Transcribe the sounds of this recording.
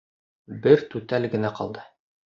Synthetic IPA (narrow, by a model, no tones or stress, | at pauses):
bɘɾt̪ʉt̪ælɡɘ̆næqɑ̰lˠd̪ɤ